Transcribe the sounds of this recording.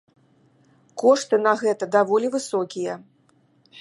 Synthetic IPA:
kɔʂt̪ɨnɐɣɛt̪ɐd̪avɔlʲivɨsɔkʲijɐ

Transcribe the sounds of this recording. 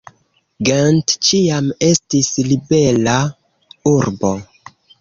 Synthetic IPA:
ɡantt͡ʃiame̞stislibe̞la | uɾbo̞

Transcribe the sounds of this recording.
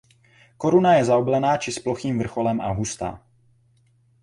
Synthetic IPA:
koɾunajɛzaoblɛnaːt͡ʃɪsploxiːmvr̩xolɛmʔa̰ɦust̪a̰ː

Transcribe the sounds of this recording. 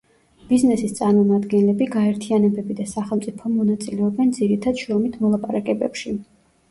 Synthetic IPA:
b̥iznɛsist̪sʼaɾmɔmad̪ɡɛnlɛbiɡaɛɾt̪ʰianɛbɛbid̪asaχɛlˠmt̪sʼipʰɔmɔnat̪sʼilɛɔbɛnd̪ziɾit̪ʰad̪ʃɾɔmit̪ʰmɔlˠapʼaɾakʼɛbɛ̰pʃi

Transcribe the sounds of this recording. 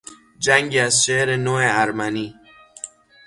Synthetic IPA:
d͡ʒæŋɟiæzʃeʔɾenoːeæɾmæniː

